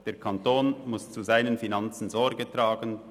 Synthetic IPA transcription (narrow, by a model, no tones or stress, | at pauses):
d̥eːɾkʰantoːnmʊst͡suzaɪnənfinɑnt͡sn̩zɔɾɡətʁaːɡən